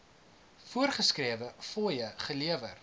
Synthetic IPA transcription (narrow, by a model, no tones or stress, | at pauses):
fuərχəskriəvəfoːjəχəliəvər